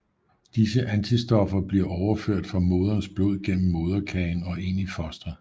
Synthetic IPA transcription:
d̥isəʔænt͡sʰisd̥ɒ̽fɐb̥liɐʔɒʊɐføɐ̰d̥fʁɑ̈mo̝ːð̞ˠɐnsb̥lo̝ð̞̰ˠɡ̥en̰m̩ːo̝ːð̞ˠɐkʰɛnɒ̽e̝nifɒ̽sd̥ʁɐ

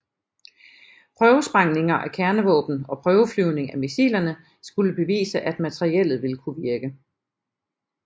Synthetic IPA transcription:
pʰʁœːʊəsb̥ʁɑ̈ŋne̝ŋɐʔækʰæɐnəʋɔ̰ːb̥n̩ɒ̽pʰʁœːʊəflyʊne̝ŋæmisḭlɐnə | sɡ̥uləb̥e̝ʋḭːsəʔæd̥mæt͡sʰəʁiel̰ð̩ˠʋe̝ləkʰuʋiɐɡ̥ə

